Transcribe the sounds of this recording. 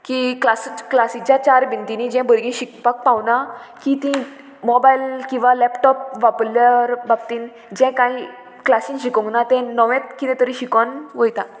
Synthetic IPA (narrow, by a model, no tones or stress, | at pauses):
kiklasklasit͡ɕjat͡ɕaɾbint̪inid͡ʑɛ̃bəɾɡĩɕikpak̚pawnakit̪ĩ | mɔbailkĩw̃ʋalɛpʈɔp̚ʋapləɾbabt̪iːn | d͡ʑɛ̃kaĩ | klasĩnɕikõŋɡnat̪ɛ̃nəʋɛ̃t̪kit̪ɛ̃t̪əɾĩɕikɔnʋəjt̪a